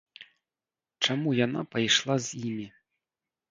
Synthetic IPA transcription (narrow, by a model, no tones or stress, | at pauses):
t͡ʂamujan̪a̰pajʂlˠazʲjimʲi